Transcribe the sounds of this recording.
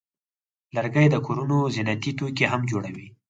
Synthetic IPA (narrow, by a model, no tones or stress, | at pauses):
ləɾɡajd̪əkoɾunozɪnat̪it̪okeɦamd͡ʒoɽawi